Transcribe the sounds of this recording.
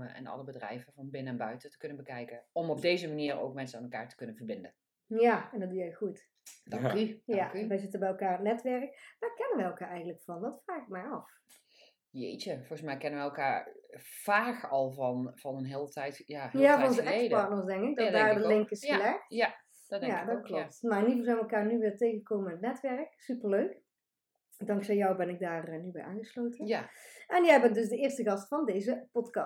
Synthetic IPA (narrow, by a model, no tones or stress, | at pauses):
məɛ̰nɑ̰ləbədrɛ̰jvəvɑnbɪnəɛnbœɥtətə̥kɵnənbəkɛjkəɔmɔb̚dejzəmaniːɹo̰wkmɛnsənaːnɛlˠka̰ːɹtə̥kɵnənvəɹbɪndən | jaɛndɔt̚dujɛjχut | dɑŋkyjakʋɛjzɪtəbɛjɛlˠkaːɹətnɛtʋɛrəkmakɛnənʋɛjɛlˠkaːɹɛjɣəntləkfɑndɔtfraːxɪk̚mɛjɑf | jḛjt͡ʃəvɔrχəsmɛjkɛnəʋɛɛlˠkaːɹfaːkɑlˠvnvɑnənɦɪːlˠətɛjtjajafɔnonzəɛkpɑrtnərsdɛŋkɪk̚dɔdaːrdəlɪŋkɪslɛxt | jadɔt̚klop̚tmarɪnivolˠzɛjnʋəɛlˠkaːrnyʋɪːrtejɣəɣəkowməɪnətnɛtʋɛrəksypərløɥk | dɑŋksɛjɔwbɛnɪk̚daːrnybɛjʔaːnɣəslowtənʔɛnjɛjbɛndøsdəɪːrstəɣɑstfɑndejzəpɔtkɑ